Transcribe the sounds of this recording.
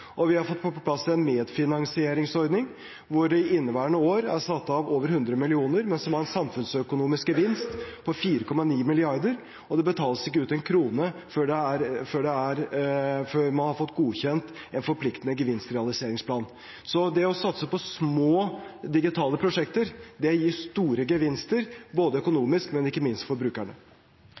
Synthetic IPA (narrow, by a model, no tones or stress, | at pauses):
ʔɔʋɪhɑɾfɔt̪ːpʰɔpʰlɑsːɪɛnmeːd̪fɪnɑŋsɪeːɾɪŋsɔɾd̪nɪŋ | ʋʊɾɖɛɪʔɪnːəʋæːɾəɳəoːɾæɾsɑt̪ːɑɑʋoːʋəɾhʉnd̪ɾəmɪlɪuːnəɾmɛnsɔmæɾɛnsɑmfʉnsœkʊnuːmɪskɡəʋɪnst̪pʰɔfiːɾəkʰɔmːɑniːmɪlɪɑɾd̪əɾ | ɔd̪ɛbət̪ʰɑːləsɪkːəʉːt̪ɛnkʰɾuːnəføːɖɛæɾføːɖɛæɾføɾmɑnhɑɾfɔt̪ːɡuːçɛnt̪ɛnfɔɾpʰlɪkt̪ənəɡəʋɪnst̪ɾɛɑlɪseːɾɪŋspʰlɑːn | sɔd̪ɛɔsɑt̪səpɔsmoːd̪ɪɡɪt̪ʰɑːləpʰɾʊʂɛkt̪əɾd̪ɛjiːʂt̪uːɾəɡəʋɪnst̪əɾboːd̪əœkʊnuːmɪskmɛnɪkːəmɪnst̪fɔɾbɾʉːkæɳə̰